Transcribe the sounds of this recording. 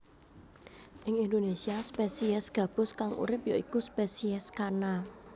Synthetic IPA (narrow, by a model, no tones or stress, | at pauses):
ʔɪŋind̪onesiaspesiɛsɡ̥ä̤b̥ʊ̤skaŋṵɾɪpjo̰ikuspesiɛskana